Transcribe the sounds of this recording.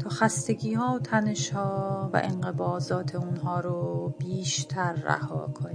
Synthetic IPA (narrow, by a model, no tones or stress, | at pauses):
t̪ʰɒːxæst̪e̞ɟiːhɒːot̪ʰæneʃhɒːvæ̰ʔenɢe̞bɒːzɒːt̪ʰeunɦɒːɾobiːʃt̪ʰæɾːæ̰hɒ̰ːkʰoni